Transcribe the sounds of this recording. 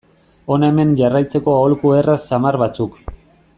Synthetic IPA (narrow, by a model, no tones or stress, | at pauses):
o̞naeme̞nʝarajt͡se̞ko̞aolkue̞rasamarβat͡suk